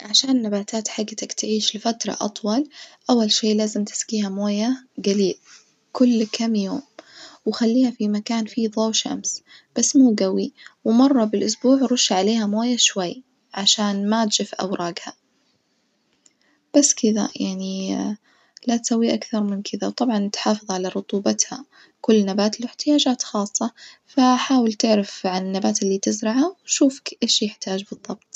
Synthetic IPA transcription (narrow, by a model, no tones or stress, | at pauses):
ʕaʃaːnnːabaːt̪aːt̪ħaɡːt̪akt̪ʕiːʃlɪfat̪ɾˤɑ̰ʔɑ̰t̪ˤwɑlʔawːalʃeːlaːzɪmt̪ɪ̥skiːhamoːjaɡaliːd | kʊlːkʰamjoːmwxalːiːhafimakaːnfiðˤoːwʃa̰msb̥asːmuːɡawiwɪmɑrˤːɑbɪlʔʊsbuːʕɾˤʊʃːaʕaleːhamoːjaʃwajː | ʕaʃaːnmat̪d͡ʒɪfʔa̰wɾˤʔɑːɡha | b̥asːkɪða̰jaʕni | lat̪sawːiʔakθɑɾˤmɪnkʰɪðawt̪ˤɑbʕɑnɪt̪ħɑːfɨðˤʕalaɾˤʊt̪ˤuːbɑt̪ha̰ | kʊlːnabaːt̪lawɪħt̪ɪjaːd͡ʒaːt̪xɑːsˤːɑfaħaːwɪlt̪ɪʕɾɪfʕanɪnːabaːt̪ɪlːiːt̪ɪzɾɪʕawʃuːfḁkʔeːʃjɪħt̪aːd͡ʒbɨðˤːɑb̚t̪̚ˤ